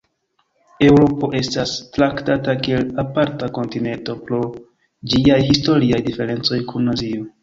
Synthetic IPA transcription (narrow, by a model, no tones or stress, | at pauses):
e̞wɾo̞po̞ʔe̞stastɾaktatakielapaɾtako̞ntine̞nto̞pɾo̞ | d͡ʒiajhisto̞ɾiajdife̞ɾe̞nt͡so̞jkʰunːazio